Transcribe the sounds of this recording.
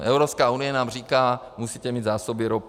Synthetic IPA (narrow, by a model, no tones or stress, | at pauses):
ʔɛwɾopskaːunɪjɛnaːmr̝iːkaː | musiːt̪ɛmiːd̪zaːsobɪɾop